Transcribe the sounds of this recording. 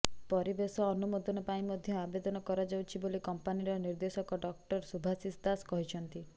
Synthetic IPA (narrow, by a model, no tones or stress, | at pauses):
pɔɾibesɔːnumod̪ɔnɔpaĩmɔd̪ʱjɔabed̪ɔnɔkɔɾɔd͡ʒawt͡ʃʰibolikɔmpaniɾɔniɾd̪esɔkɔɖɔk̚ʈɔɾsubʱasisd̪askɔɦit͡ʃʰɔnt̪i